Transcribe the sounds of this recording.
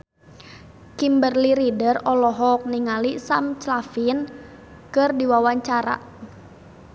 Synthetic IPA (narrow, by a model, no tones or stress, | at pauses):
kimbərliɾidərɔlɔɦɔk̚niŋalisamt͡ʃlafin | kɨrdiwawaɲt͡ʃaɾa̰